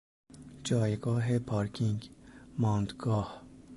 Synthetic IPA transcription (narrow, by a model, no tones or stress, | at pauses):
d͡ʒɒːjɡɒːɦepʰɒːɾkʰiŋɡmɒːnd̪ɡɒːh